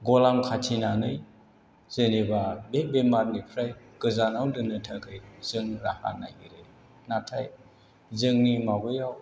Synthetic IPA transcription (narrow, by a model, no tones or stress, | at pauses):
ɡɔlamkʰatʰinanɯj | z̥enebabebemaɾnipʰɾaj | ɡ̥ɯzanawdɯnɯtʰaɡʰɯjz̥ɯŋɾaha̰nːa̰hiɾe | natʰaj | zɯŋnimabɯjaw